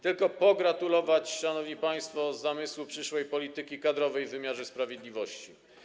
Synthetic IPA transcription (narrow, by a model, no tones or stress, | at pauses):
t̪ɘlkɔpɔɡɾat̪ulɔvat͡ɕʂanɔvɲipaj̃st̪fɔzːamɘswupʂɘʂwɛjpɔlʲit̪ɘkʲikad̪ɾɔvɛjvːɘmʲjaʐɛspɾavʲjɛd̪lʲivɔɕt͡ɕi